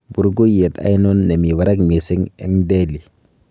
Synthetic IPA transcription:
bu˨ɾɡo˦je˨t̪a̰˨˦jno˦nːɛ˨mi˨wa˨ɾa˦kmi˨sɪ˦ŋɛ˦ŋde˦li˨

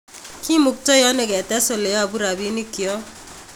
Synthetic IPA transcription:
ki˦mu˨k̚tɔ˦jɔ˦nɛ˨kɛ˨tɛ˦so˨le˨ja˦˨bu˦ɾa˨bi˦ni˦ki˨ɔ˦

